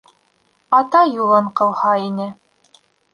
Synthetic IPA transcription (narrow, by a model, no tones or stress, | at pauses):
ɑt̪ɑjulˠɤɴqɤ̆lˠhɑinɘ